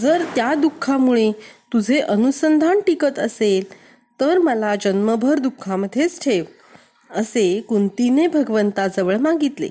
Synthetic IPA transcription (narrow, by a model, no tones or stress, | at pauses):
d͡zəɾt̪jad̪ukʰːamuɭet̪ud͡zʱeʔənusənd̪ʱaɳʈikət̪əsel | t̪əɾməlad͡ʑənməbʱəɾd̪ukʰːaməd̪ʱːet͡sʈʰeʋ | əsekunt̪inebʱəɡʋənt̪ad͡zəʋəɭmaɡit̪lḛ